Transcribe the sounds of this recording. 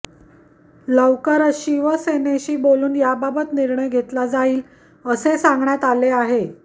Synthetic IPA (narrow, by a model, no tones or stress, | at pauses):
ləwkəɾəɕiːʋəseneɕiːboluːnjababət̪niɾɳəjɡʱet̪lad͡zaiːl | əsesãŋɡɳjat̪aleaɦe